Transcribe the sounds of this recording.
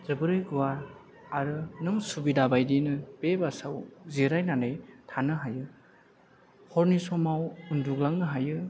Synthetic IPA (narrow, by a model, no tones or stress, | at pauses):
zɯbɯɾɯjɡuwaɾ | aɾɯnɯŋsubidabajdinɯpebasawziɾajnanɯjtʰanɯɦajɯ | hɔɾnisɔmawunduɡlaŋnɯɦajɯ